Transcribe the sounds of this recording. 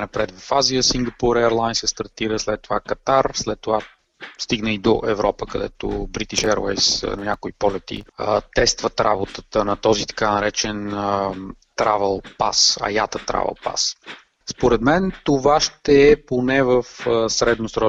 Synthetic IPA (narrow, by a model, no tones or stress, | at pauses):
nɐpɾɛt̪vɐfazijəsiŋɡɐpuɾɛəɾlˠajnsɛst̪ɐɾt̪iɾəslɛt̪ːovakɐt̪aɾslɛt̪ːova | st̪iɡnəid̪oʔɛvɾɔpəkɐd̪ɛ̰t̪o̰bɾit̪iʃɛɾvɛ̰jsnɐnʲakoipɔlɛt̪ḭt̪ɛst̪vət̪ɾa̰bot̪ət̪ənɐt̪ɔzit̪ɐ̥kanɐɾɛt͡ʃɛnət̪ɾavɛlˠpa̰sɐ̰ja̰t̪ət̪ɾa̰vɛ̰lˠpa̰s | spoɾɛd̪mɛnt̪ovaʃt̪ɛːponɛvəfsɾɛd̪nosɾɔ